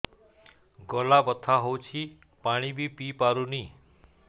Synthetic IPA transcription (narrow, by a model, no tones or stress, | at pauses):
ɡɔlabət̪ʰːaɦowt͡ʃʰi | paɽ̃ibʱipipaɾuni